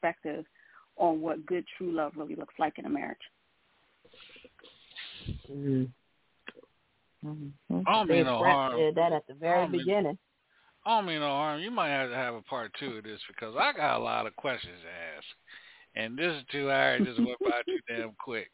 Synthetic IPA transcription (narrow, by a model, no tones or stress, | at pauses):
pɛk̚tɪv | ʔn̩wʌt̚ɡ̥ʊd̚tʰɹ̥ʉlʌvɹɪlˠḭlʊkslaɪkɨ̃nɨ̰mɛ̰ɹɨ̰d̥ʒ̥ | m̩ | omĩnoɑɹɪðɨɾɨt̪̚ðɨvɛɹibɨɡɪ̃nɪ̃ŋ | oʊmĩnoʊhɑɹmjɨmaɪt̚hɨtɨɨvəpʰɑɹtʰʉɨðɪsb̥ɨkʰʌzaɪɡɑ̰ɾə̰lɑ̰ɾʌv̥kʰw̥ɛst͡ʃɨ̃nz̥æsk̚ʔɨ̃nðɪsɨtʰʉaɹɨd͡ʒɨzwə̃b̥aɪtʰʉdɛ̃mkʰw̥ɪk̚